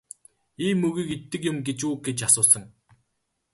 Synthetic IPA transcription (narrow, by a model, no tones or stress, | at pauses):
iːmːɵɣiːket̪ːɘ̆kjʊ̆mɡet͡ɕuːɡet͡ɕasʊːsə̆ŋ